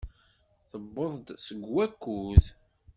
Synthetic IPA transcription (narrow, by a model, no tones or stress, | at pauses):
θəbːəðˤd̪səɡwækːuð